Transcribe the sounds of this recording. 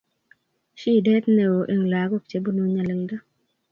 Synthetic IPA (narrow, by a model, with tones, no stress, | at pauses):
ʃi˦˨dɛ˦t̪ne˨wo˨ʔe˦ŋ˨la˨ɡo˦k̚t͡ʃe˦bo˦nu˦ɲa˨lɪ˨lda˦